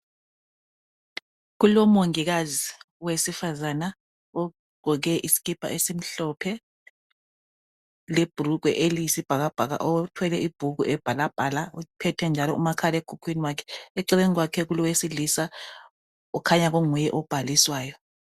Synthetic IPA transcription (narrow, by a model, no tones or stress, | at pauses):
ɣulɔmoŋiɣazi | wesifazana | ɔ | ɡ͡ǃ̥ʱɔɣɛʔisi̥ɣipʰa̰ʔesim̩ɬɔpʰɛ | leb̥ʱuruɡ̥wɛʔeliisib̥ʱaɣab̥ʱaɣa̰ʔɔtʰwɛlɛʔib̥ʱuɣuʔɛb̥ʱalab̥ʱaːlaɔpʰɛtʰɛnd͡ʒʱalɔṵmakʰalɛɡ̥ʱukʰwiniwakʰɛ̥eǀileŋiɣwakʰɛɣulɔwesilisa | ɔkʰaɲaɣoŋujɛʔɔb̥ʱaliswaːjɔ